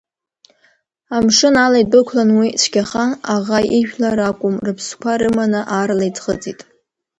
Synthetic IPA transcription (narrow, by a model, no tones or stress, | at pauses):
amʂɨnalajdɨkʷʰlanwit͡ʃʷʰkʲaχanaʁaiʒᶣlaɾakʷʼʊmrɨpʰskʷaɾɨmanaʔarlajt͡sʰʼχə̰t͡sʼitʼ